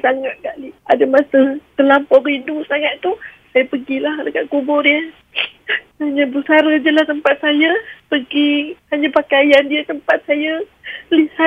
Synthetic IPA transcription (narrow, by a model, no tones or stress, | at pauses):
saŋat̪̚kaʔliadəmasət̪əlampɔridusaŋat̪t̪u | sajapəɡilahdəkaʔkubɔriə | haɲabəsaɾəd͡ʒəlaht̪əmpat̪̚sajapəɡihaɲapakajandiət̪əmpat̪̚sajaliha